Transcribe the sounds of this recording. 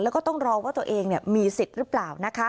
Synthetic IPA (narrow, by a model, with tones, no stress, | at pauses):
lɛː˦˥wkɔ˥˩t̪ɔ˥˩ŋɾɔː˧waː˥˩t̪u˧ʔeː˧ŋni˧˩əmiː˧si˨˩t̪̚ɾɯ˦˥plaː˨˩wna˦˥kʰa˦˥